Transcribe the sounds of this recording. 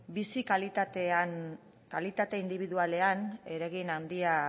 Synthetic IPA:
bisikalit̪at̪ean | kalit̪at̪e̞ind̪iβ̞iðuale̞ane̞ɾeɣ̞inand̪ia

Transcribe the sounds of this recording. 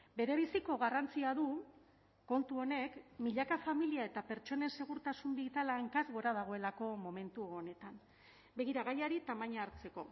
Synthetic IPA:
be̞ɾe̞β̞isiko̞ɣarant͡siaðu | ko̞nt̪uo̞ne̞kmiʎakafamiliae̞t̪ape̞ɾt͡ʃo̞ne̞nse̞ɣ̞uɾt̪asumbiɣit̪alaeŋkazɣo̞ɾað̞aɣ̞o̞e̞lako̞mo̞me̞nt̪uone̞t̪an | be̞ɣiɾaɣ̞ajaɾit̪amaɲaːɾt͡se̞ko̞̰

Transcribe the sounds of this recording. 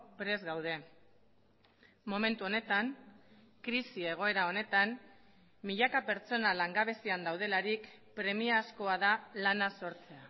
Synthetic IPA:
pɾe̞zɣawð̞e̞ | mo̞me̞nt̪uo̞ne̞t̪aŋ | kɾisie̞ɣ̞o̞e̞ɾao̞ne̞t̪an | miʎakape̞ɾt͡so̞nalaŋɡaβ̞e̞siand̪awð̞e̞laɾikpɾe̞miasko̞aðalanaso̞ɾt͡se̞a

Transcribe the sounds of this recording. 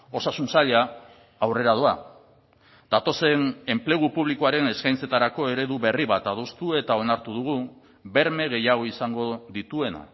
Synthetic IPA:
o̞sasunsaʎaː | wre̞ɾað̞ua | d̪at̪o̞se̞ne̞mple̞ɣ̞upuβ̞liko̞aɾe̞ne̞skajnt͡se̞t̪aɾako̞e̞ɾe̞ðuβe̞riβat̪að̞o̞st̪ue̞t̪ao̞naɾt̪uð̞uɣ̞u | be̞ɾme̞ɣe̞jaɣ̞o̞isaŋɡo̞ðit̪ue̞na̰

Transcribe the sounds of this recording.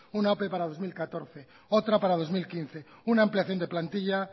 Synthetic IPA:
unaopepaɾað̞o̞zmilkat̪o̞ɾθe | ot̪ɾapaɾað̞o̞zmilkin̟θeunaːmpliaθjo̞nd̪e̞plant̪iʎa

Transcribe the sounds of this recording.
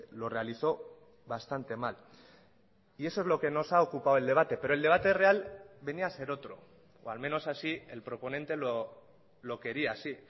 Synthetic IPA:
lo̞re̞aliθo̞ | βast̪ant̪e̞mal | ie̞sozlo̞ke̞no̞saokupaoe̞ld̪e̞β̞at̪e̞pe̞ɾo̞eld̪e̞β̞at̪ere̞albe̞niase̞ɾo̞t̪ɾo̞̰ | oalme̞no̞sasie̞lpɾo̞po̞ne̞nt̪e̞lo | lo̞ke̞ɾiasi

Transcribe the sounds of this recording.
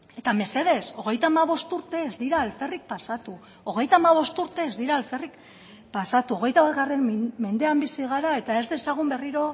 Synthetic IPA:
e̞t̪ame̞se̞ðe̞so̞ɣ̞e̞jt̪aːmaβ̞o̞st̪uɾt̪e̞ːzd̪iɾaːlfe̞rik̚pasat̪u | o̞ɣ̞e̞jt̪amaβ̞o̞st̪uɾt̪e̞ːzd̪iɾaːlfe̞rik | pasat̪uo̞ɣ̞e̞jt̪aβazɣare̞mme̞nd̪e̞ambisiɣ̞aɾae̞t̪ae̞zd̪e̞saɣ̞umbe̞riɾo̞

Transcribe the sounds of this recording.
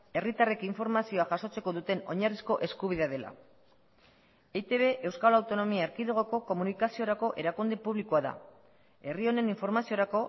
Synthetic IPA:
e̞rit̪are̞kiɱfo̞ɾmasio̞aʝaso̞t͡se̞ko̞ðut̪e̞no̞̰ɲarisko̞ʔe̞skuβ̞iðeað̞e̞la̰ | et̪e̞βe̞ʔe̞wskalawt̪o̞no̞miaeɾkiðoɣ̞oko̞ko̞munikasio̞ɾako̞ʔe̞ɾakund̪epuβlikuaða̰ | e̞rio̞ne̞niɱfo̞ɾmasio̞ɾako̞

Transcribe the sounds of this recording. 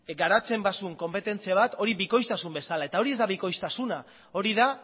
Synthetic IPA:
ɡaɾat͡se̞mbasuŋko̞mpe̞t̪e̞nt͡siaβ̞at̪o̞ɾiβiko̞jst̪asumbe̞salaet̪ao̞ɾie̞zd̪aβiko̞jst̪asuna | o̞ɾiða

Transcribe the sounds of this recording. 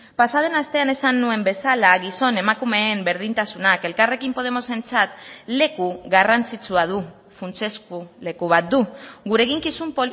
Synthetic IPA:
pasað̞e̞nast̪e̞ane̞sanːue̞mbe̞salaɣiso̞ne̞makume̞ːmbe̞ɾð̞int̪asunake̞lkare̞kimpo̞ð̞e̞mo̞se̞nt͡sat̪le̞kuɣarant͡sit͡suað̞u | funt͡se̞skule̞kuβ̞at̪̚d̪uɣuɾe̞ɣiŋkisumpo

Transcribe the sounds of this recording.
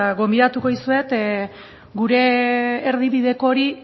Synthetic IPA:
ɣo̞mbiðat̪uko̞isue̞t̪ | ɡuɾe̞ːɾðiβiðe̞koɾi

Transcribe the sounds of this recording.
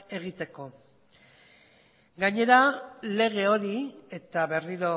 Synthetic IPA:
e̞ɣit̪e̞ko̞ | ɡaɲe̞ɾale̞ɣe̞o̞ɾie̞t̪aβe̞riɾo̞

